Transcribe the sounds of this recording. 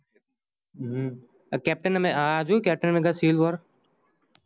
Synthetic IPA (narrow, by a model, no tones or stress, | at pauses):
kɛːp̚ʈənmẽaːd͡ʒukɛːp̚ʈənmẽɡasiːlʋɔːɾ